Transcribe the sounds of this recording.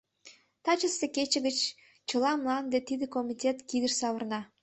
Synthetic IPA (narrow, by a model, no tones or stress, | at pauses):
t̪ɑt͡ɕəseket͡ɕə̆ɣət͡ɕ | t͡ɕə̆lɑmlɑnd̪et̪id̪ekomitʲet̪kid̪əʃsɑβərnɑ